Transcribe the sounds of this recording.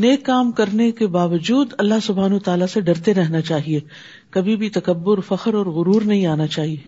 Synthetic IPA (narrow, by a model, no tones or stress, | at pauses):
neːkːaːmkɐɾnekebaːʋəd͡ʒuːd̪ɐlːaɦsʊbʱaːnut̪aːlaseɖɐɾt̪eɾɛɦnat͡ʃaːɦieː | kɐbʱibʱit̪ɐkəbːʊɾfɐxəɾɔːɾɣʊɾuːɾnɐɦĩaːnat͡ʃaːɦieː